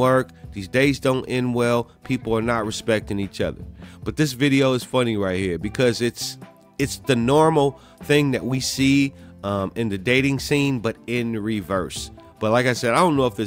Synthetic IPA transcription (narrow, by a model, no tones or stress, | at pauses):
ɜ˞k̚ðizdeɪzdõʊ̃ntʔɪ̃nwɛlˠpʰipl̩ˠə˞nət̚ɹɨspɛk̚tɪ̃ŋit͡ʃʌ̰ðə̰˞b̥ʌt̪̚ðɪs̬vɪɾioʊɨz̥fʌniɹaɪt̚hiɹbɨkʰʌzɨts | ɨtsðɨnɔɹml̩ˠ | θɪ̃ŋðɨʔ̚wisiʌ̃ɨ̃nðɨdeɪɾɪ̃ŋsĩnbʌɾɪ̃nɹivɜ˞sb̥ʌt̚laɪkaɪsɛɾaɪdõʊ̃nːoʊəfðɪ